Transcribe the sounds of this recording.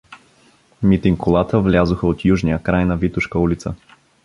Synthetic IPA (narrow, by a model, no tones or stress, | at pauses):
mit̪iŋkʊlˠat̪əvlʲazʊxəot̪juʒnijəkɾajnɐvit̪ʊʃkəulit̪sə